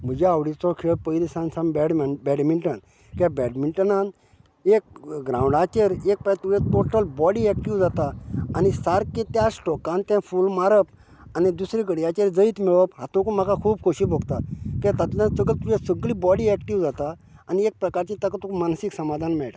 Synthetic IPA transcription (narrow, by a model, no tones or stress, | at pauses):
m̤əd͡ʑeawɽit͡sɔkʰeɭpəjlisãnsãmbɛɽmnbɛɖmiɳʈən | kɛbɛɖmiɳʈənãn | ek̚ɡɾãũɳɖat͡ɕeɾek̚pat̪ujẽt̪oʈəlbɔɽiɛk̚ʈiʋd͡zat̪aːnisaɾkẽt̪jasʈɔkãnt̪jãfulmaɾəp | anid̪usɾiɡəɽiat͡ɕeɾd͡zəit̪miɭɔpɦat̪õkum̤akakʰuːb̚kʰoɕiboɡt̪akẽt̪at̪lãt͡səɡəlt̪ujẽsəɡlibɔɽiɛkʈiʋd͡zat̪aː | niek̚pɾəkaɾt͡ɕit̪akat̪ukmansiksəmad̪ʱanmɛɭʈa